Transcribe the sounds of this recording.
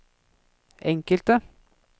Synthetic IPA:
ʔɛŋkəlt̪ə

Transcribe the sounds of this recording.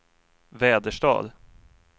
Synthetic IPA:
vɛːd̪əʂʈɑ̰ːd̪

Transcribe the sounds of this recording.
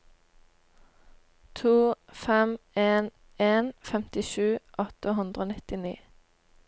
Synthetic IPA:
t̪ʰuːfɛmeːn | eːnfɛmt̪ɪʃʉːʔɔt̪əɦʉnd̪ʁəoːnɪt̪ɪnḭː

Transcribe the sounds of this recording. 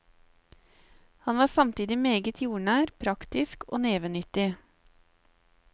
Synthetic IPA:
hɑnʋɑːsɑmt̪iːd̪ɪmeːɡət̪ʰjuːɳæːɾpʰɾɑkt̪ɪsko̰ːneːʋənʏt̪ɪ

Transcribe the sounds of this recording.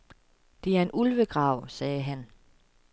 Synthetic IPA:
d̥e̝æɐe̝nʔulʋəɡ̥ʁɑ̈ʊ̰sɛːɦæn

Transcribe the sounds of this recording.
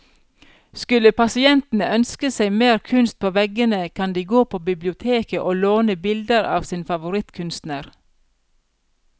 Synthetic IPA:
skʉləpʰɑsɪɛnt̪n̩əʔœnskəsæɪmeːɾkʰʉnst̪̚pʰoːʋɛɡənəkʰɑnd̪iːɡoːpʰoːbɪblɪʊt̪ʰeːkəʔoːloːnəbɪld̪əɾɑ̰ːʋsiːnfɑʋʊɾɪt̪kʰʉnst̪næːɾ

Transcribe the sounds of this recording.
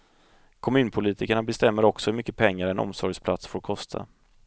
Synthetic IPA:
kʰɔmʉ̟ːnpʰʊliːt̪ʰɪkaɳabɛst̪ɛmːəɾɔksɔhɵmʏkːəpʰɛŋːaɾɛnʔɔ̰msɔɾjspʰlat̪sfoːɾkʰɔst̪ʰa̰

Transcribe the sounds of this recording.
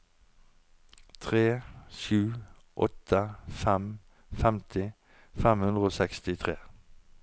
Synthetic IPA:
t̪ʰʁeːʃʉː | ʔɔ̰t̪ʰəfɛm | fɛmt̪ʰɪ | fɛmhʉnd̪ʁəoːsɛkst̪ɪt̪ʰʁeː

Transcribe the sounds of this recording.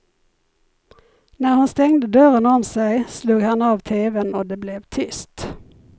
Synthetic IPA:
næːʁhɑnst̪ɛŋd̪əd̪øːʁənɔmsæɪsluːɡhɑnɑːʋt̪ʰeːʋənoːd̪eːblɛʋt̪ʰʏst̪

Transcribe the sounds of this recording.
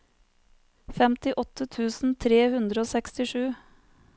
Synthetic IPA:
fɛmt̪ɪʔɔt̪ʰət̪ʰʉːsn̩t̪ʰɾeːhʉnd̪ɾəoːsɛkst̪ɪʂʉː

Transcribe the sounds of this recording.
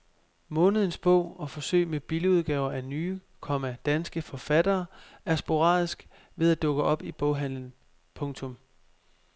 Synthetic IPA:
mɔ̽ːnəð̞̩ˠn̩sb̥ɔ̰̽ʊ̰ɒ̽fɒ̽sø̰ɪ̰meb̥iləuð̞ˠɡ̥ɛːʊɐʔænyː | kʰɒ̽mæd̥ænsɡ̥əfɒ̽fæd̥ɐːæɐsb̥o̝ʁɑ̰̈ːðˠisɡ̥ | ʋe̝ð̞ˠæd̥ɔ̽ɡ̥əʔɒ̽b̥ib̥ɔʊɦæn̰ln̩ | pʰɔ̽ŋt͡sʰɔ̽m

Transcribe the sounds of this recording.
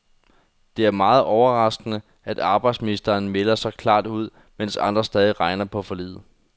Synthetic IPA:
d̥e̝æɐmɑ̈ːð̞̩ˠʔɒʊɐʁɑ̈sɡ̥ənə | æd̥ɑ̈ːb̥ɑ̈ɪd̥sminisd̥ɐːnmelɐsɑ̈ɪkʰlɑ̰̈ːd̥uð̞̰ˠ | men̰sɑ̈nd̥ʁɐsd̥ɛːðˠiʁɑ̈ɪnɐpʰɒ̽fɒ̽lḭːð̩ˠ

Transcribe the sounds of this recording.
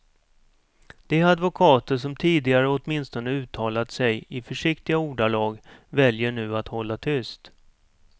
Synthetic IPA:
d̪̥ɛad̪vʊkʰɑːt̪əʂɔmt̪ʰiːd̪ɪɡaɾəɔt̪mɪnst̪ɔnəʉ̟ːt̪ʰɑːlat̪sɛjɪfœʂɪkt̪ɪɡauːɖalɑːɡvɛljəɳʉ̟ːat̪hɔlːat̪ʰʏst̪

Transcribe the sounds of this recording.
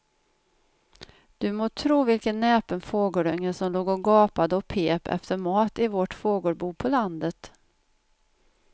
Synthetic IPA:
d̪̥ɵmoːt̪ʰɾuːvɪlkənːɛːpənfoːɡəɾœŋːəsɔmloːɡɔɡɑːpad̪əɔpʰeːpʰɛ̰ft̪əɾmɑːt̪ɪvɔʈfoːɡʊɾbuːpʰɔland̪ət̪

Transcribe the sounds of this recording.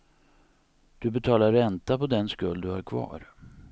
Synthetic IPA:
d̪̥ɵbɛt̪ʰɑːlaɾːɛnt̪apɔd̪ɛnskɵld̪ɵhaɾkʰvɑ̰ːɾ

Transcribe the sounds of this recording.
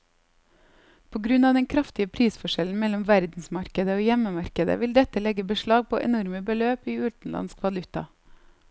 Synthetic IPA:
pʰoːɡɾʉnɑːd̪ɛŋkʰɾɑft̪ɪəpʰɾiːsfɔʃɛln̩mɛlɔmʋæɾd̪n̩smɑɾkəd̪əoːjɛməmɑɾkəd̪ə̰ʋɪld̪ɛt̪əlɛɡəbəʃɭɑːɡ̚pʰo̰ːʔɛnɔɾməbəløːpiːʉːt̪n̩lɑ̰nskʋɑlʉt̪ɑ̰

